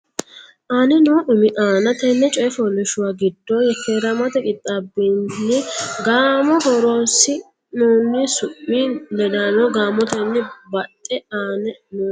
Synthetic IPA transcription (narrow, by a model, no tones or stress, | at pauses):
ʔaːnɛnuːʔʊmɪʔaːnɐt̪ɛnːɛt͡ʃʼɔjɛfɔlɛʃʊwaːɡɪd̪ːoːjɛtːeɾɐmɐt̪ɛkʼɪt̪ʼːabɪnːɪɡaːmɔhɔɾoːsɪ | nuːnːɪsʊmːilɛd̪anoɡaːmɔt̪ɛnːɛbɐt̪ʼːɛaːnɛnu